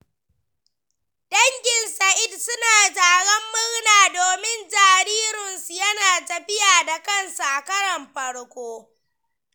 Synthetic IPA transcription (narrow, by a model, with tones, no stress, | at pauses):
dɐ˦ŋkʲɪ˨nsa˨ʔɪ˦dsʊ˦naː˨d͡ʒaː˨ɽɐ˦mːʊ˦ɽnaː˨doː˨mɪ˦nd͡ʒaː˨ɾiː˦ɾʊ˨nsu˨jɐ˦naː˨tɐ˨ɸɪ˦jaː˨da˨kɐ˦nsu˨ʔa˨kɐ˦ɽɐ˨mɸɐ˦ɽkʷoː˦